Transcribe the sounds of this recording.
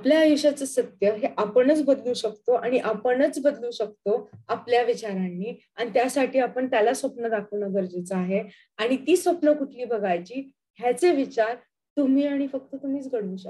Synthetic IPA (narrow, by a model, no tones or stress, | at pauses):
apljaːʋuɕat͡səsət̪jəɦeʔapəɳət͡sbəd̪luːɕək̚t̪oʔaɽ̃iʔapəɳət͡sbəd̪luːɕək̚t̪oapljaʋit͡ɕaɾanːiː | aɽ̃it̪jasaʈʰiːapəɳt̪jalasʋəpnəd̪akʰəʋnəɡəɾd͡ʑet͡səaɦe | aɽ̃it̪iːsʋəpnəkuʈʰliːbəɡajt͡ɕiː | ɦjat͡seʋit͡ɕaɾ | t̪um̤iːaɽ̃ifək̚t̪ət̪um̤iːt͡sɡəɽuːɕə